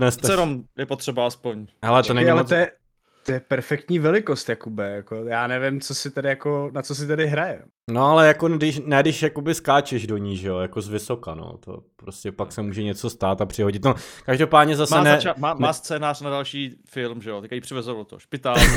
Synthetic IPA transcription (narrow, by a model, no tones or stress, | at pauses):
nɛst̪sɛɾomjɛpot̪rɛbaaspo̞ɲɦɛlɛt̪onɛɲialɛojɛ | t̪ojɛpɛɾfɛk̚t̪ɲiːvɛlɪkost̪jakubɛjakojaːnɛvɪmt͡sosɪt̪ɛdɪjakonat͡sos̬ɪt̪ɛdɪɦɾajɛ | noalɛjakodɪʃnɛdɪʃjakobɪskaːt͡ʃɛʒdo̞ɲiːʒɛjo̞jako̞zvɪso̞kano̞̰ːt̪o̰pɾoscɛpaksɛmuːʒɛɲɛt͡so̞st̪aːt̪apr̥ɪɦo̞ɟɪt̪nokaʒdopaːdɲɛzasmɛnɛt͡ʃamaːnaːst͡sɛːnaːr̥nadalʃiːfɪlmʒɛjot̪ɛkajipr̝ɪvɛzovlot̪oʃpɪt̪aː